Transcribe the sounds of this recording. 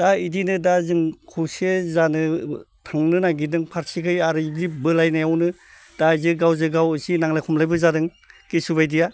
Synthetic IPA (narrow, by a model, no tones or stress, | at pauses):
d̥aidinɯdazɯŋkʰusezanɯ | tʰaŋnɯnaɡidɯŋpʰaɾsikʰɯjaɾɯɡibɯlajnajawnɯ | d̥azɯɡawzɯɡawɯsinaŋlakʰɔmlajbɯzadɯŋ | kisubajdija